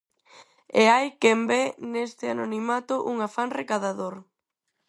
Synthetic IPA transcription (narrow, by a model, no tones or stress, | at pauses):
eajkembɛnest̪ɪanonimat̪ʊʔuŋafaŋrekaðaðoɾ